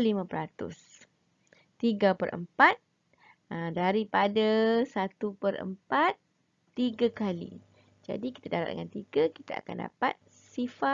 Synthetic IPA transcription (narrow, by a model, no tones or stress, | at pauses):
limãpəɾat̪ʊ̰s | t̪iɡapərʔə̰mpat̪̚ | ədaɾipadasat̪upəɾʔə̰mpat̪ː | iɡakalḭ | d͡ʒa̰diki̥t̪adaɾat̪̚də̰ŋant̪iɡaki̥t̪aa̰kanda̰pa̰t̪̚ | sifa